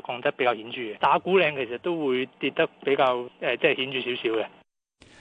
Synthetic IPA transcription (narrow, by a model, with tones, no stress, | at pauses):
kʰɔː˧ŋt̪ɐ˥k̚pe˨˥jkaː˧hiː˨˥nt͡ʃyː˨˧ɡɛ˧t̪aː˨˥kuː˨˥lɛː˧ŋkʰe˨˩jsɐ˨t̚t̪o˥wwuː˨˧jt̪iː˧t̚t̪ɐ˥k̚pe˨˥jkaː˧wɛː˨t͡sɛ˥˨hiː˨˥nt͡ʃyː˨˧si˨˥wsiː˨˥wkɛ˧